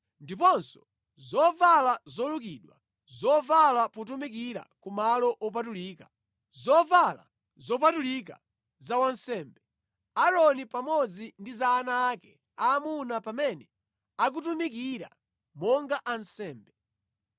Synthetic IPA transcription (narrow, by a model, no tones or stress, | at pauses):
ndipɔnsɔ̥ | zɔvalazɔlukiːɗwa̰ | zɔvalapɔt̬umikiɾa̰kumalɔʔɔp̬atuliːkḁ | zɔvala̰ | zɔpatulik̬a̰ | zawansɛːmbɛ | aɾɔnipamɔd͡zindizaːnaːkɛ | aːmunapamɛnɛ | ak̬utumikiɾa̰ | mɔŋɡaʔansɛːmbɛ